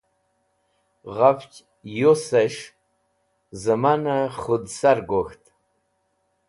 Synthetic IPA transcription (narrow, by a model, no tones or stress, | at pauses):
ʁavt͡ʃʲʼ | josaʃ | zamanaχʊdsarɡʷoxtʼ